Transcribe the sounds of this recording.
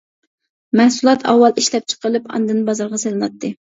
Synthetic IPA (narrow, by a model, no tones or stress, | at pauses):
mæhsulˠɑt̪ʰɑ̰wːɑlˠiʃlɛp̚t͡ʃʰə̥qəlˠɨpɑ̰nd̪ɨnbɑzɑɾʁɑselɨnɑt̪ʰːɨ